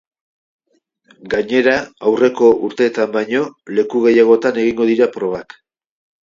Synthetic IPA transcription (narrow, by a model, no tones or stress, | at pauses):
ɡaɲe̞ɾaawre̞ko̞ʔuɾt̪e̞t̪ambajɲo̞le̞kuɣe̞jaɣ̞o̞t̪ane̞ɣ̞iŋɡo̞ðiɾapɾo̞β̞ak